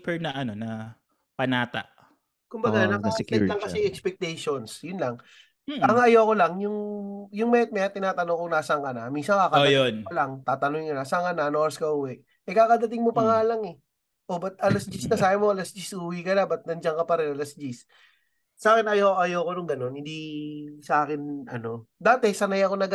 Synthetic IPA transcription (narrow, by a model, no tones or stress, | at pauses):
pɛɹnɐʔɐno̞nɐ | pɐnaːt̪a̰ʔ | kʊmbɐɡanɐkt̪ɛlɐŋkɐsɛʔɛkspɛk̚t̪ɛjʃonsjʊnlɐŋ | ɐŋaʔɐjoːko̞lɐŋjʊŋjʊŋmɛt̪̚mɛɐt̪ɪnaːt̪ɐnokoŋnaːsɐŋkɐnaminsɐŋkakɐojonpɐlɐŋt̪aːt̪ɐnʊŋɪnkɐnaːsɐŋkɐnanoɾskɐʔʊwɛʔ | ɛkaːkɐd̪ɐt̪ɪŋmopɐŋaːlɐŋɛ | ʔo̞bɐt̪̚ɐlɐsd͡ʒisnɐsaːbɪmoɐlɐsd͡ʒisuwɪkɐnabɐt̪̚nɐnd͡ʒɐŋkɐpɐɾɛnɐlɐsd͡ʒis | saːkɛnɐjoʔɐjoːkonʊŋɡɐno̞nhɪnd̪isɐaːkɪnʔɐ̰no̞d̪aːt̪ɛsɐnɐjɐkonɐɡ